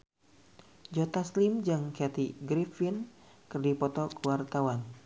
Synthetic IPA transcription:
d͡ʒɔt̪aslimd͡ʒɨŋkɛt̪iɡɾifinkɨrdipɔt̪ɔkuwart̪awan

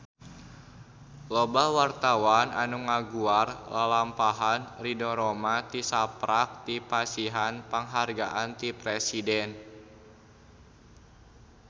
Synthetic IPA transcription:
lobawart̪awana̰nuŋaɡuarlalampaɦanridoɾomat̪isapɾak̚t̪ipasiɦanpəŋɦarɡaʔant̪ipɾesidɛn

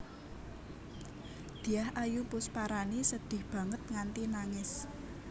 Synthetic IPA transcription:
d̪̥i̤jahʔajupʊspaɾanisəd̪̥ɪ̤hb̥ä̤ŋət̪̚ŋant̪inaŋɪs

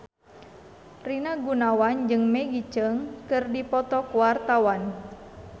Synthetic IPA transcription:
rinaɡunawand͡ʒɨŋmɛɡit͡ʃəŋkɨrdipɔt̪ɔkuwart̪awan

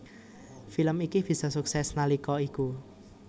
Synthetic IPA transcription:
filəmikib̥i̤sɔsuksɛsnalikɔiku

